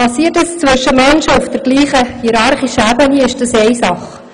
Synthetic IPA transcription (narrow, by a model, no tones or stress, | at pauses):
pɑsiːətəst͡svɪʃəmɛnʃəʊfd̥ɛɾɡ̥liːχəhiɾɑɾχiʃəæbəniɪʃd̥ɑsɛɪsɑχ